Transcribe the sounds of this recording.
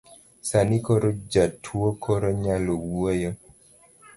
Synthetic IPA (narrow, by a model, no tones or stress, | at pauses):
sanikoɾod͡ʒatʰwokʰoɾoɲalowojo